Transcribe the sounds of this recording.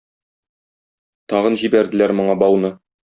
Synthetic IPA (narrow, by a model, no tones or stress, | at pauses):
t̪ɒʁɤ̆nʑibæɾd̪ɘ̆læɾmŏɴɑbɒwnɤ